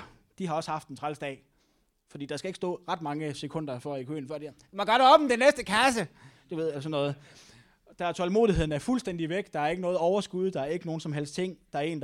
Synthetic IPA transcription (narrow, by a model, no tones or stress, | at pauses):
d̥ihɑ̈ɒ̽səhɑ̈fd̥ent͡sʰʁalsd̥ɛ̰ː | fɒ̽d̥ḭːd̥ɑ̈sɡ̥æe̝ɡ̥əsd̥ɔ̰̽ːʁɑ̈d̥mɑ̈ŋəsekʰɔ̽n̰d̥ɐfɒikʰø̰ːn̩fɶɐ̰d̥i̥ | mɒɡ̥ɒ̽ɾ̥ɒ̽b̥m̩d̥enesd̥əkʰæsəd̥uʋe̝ð̰ˠælsɒ̽nːɔ̽ːð̩ˠ | d̥ææɐt͡sʰɒ̽lmo̝̰ːðˠiɦe̝ðˠn̩æɐfulsd̥en̰d̥iʋeɡ̥̚d̥ɑ̈æɐe̝ɡ̥ənɔ̽ːð̩ˠɒʊɐsɡ̥uð̞ˠd̥ɑ̈æɐe̝ɡ̥əno̝ːn̩sɒ̽mɦel̰sd̥t͡sʰe̝ŋ̰d̥ɑ̈æɐe̝̰ːnd